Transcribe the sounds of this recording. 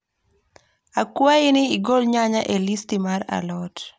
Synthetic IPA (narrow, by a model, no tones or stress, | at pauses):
akwaɪnɪːɡolɲaɲaʔelistimaɾa̰lɔt